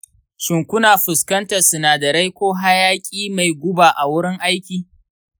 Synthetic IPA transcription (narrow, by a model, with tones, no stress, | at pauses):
ʃɪ˨ŋkʷʊ˦naː˨ɸʊ˨skɐ˦ntɐ˨sʊ˨naː˨da˨ɾa˦jkʷoː˦ɦa˦jaː˦kʲʼiː˦ma˨jɡʷʊ˦baː˨ʔa˨wʊ˦ɽɪ˦ŋʔa˦jkʲiː˨